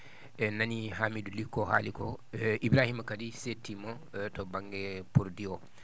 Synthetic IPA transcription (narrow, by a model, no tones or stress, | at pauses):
ɛnaniɦamidulikɔha̰likɔʔibɾaːhimakadisetːima | tɔbaŋɡɛpuɾdiɔ